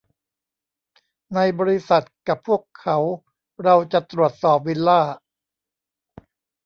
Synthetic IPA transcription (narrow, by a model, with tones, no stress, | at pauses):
na˧jbɔː˧ɾi˦˥sa˨˩t̪̚ka˨˩pʰːu˥˩əkʰːa˩˦˥w | ɾa˧wt͡ɕa˨˩t̪ɾu˨˩ət̪̚sɔː˨˩p̚wi˧nlaː˥˩